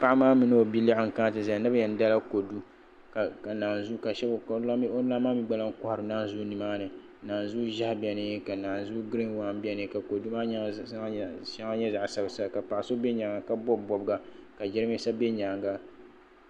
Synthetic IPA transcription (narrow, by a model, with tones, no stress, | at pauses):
pa˦ʔa˦maː˦mɨ˦nɨ˦o˨bi˦li˦ɪ˦ŋ̩˨ka˦˨tɨ˨za˨˦nɨ˦ba˦jɛ˨n̩˦da˦la˦ko˨du˦ | ka˨ka˨naː˨n˨zu˦ka˨ʃɛ˦bo˦la˦maː˦mi˦ɡ͡ba˦la˦ŋ̩˦kɔ˦hɾɨ˨naː˦n˦zu˦nɨ˨maː˦nɨ˨˦ | naː˨nzu˦ʒa˦hbi˨ɛ˨nɨ˦ka˨naː˨nzu˦ɡɾi˦nwa˨˦˨m˦bʲɛ˦nɨ˨˦ka˨ko˨du˦maː˦ | ʃa˦ŋa˦ɲɛ˦za˨ʔsa˦bsa˦˨ka˨pa˨ʔa˨so˦be˦ɲa˨ŋa˨ka˨bɔ˦bːɔ˨bɡa˨ka˨d͡ʒɪ˦ɾɨ˦m˦i˦sa˦be˦ɲa˨ŋɡa˦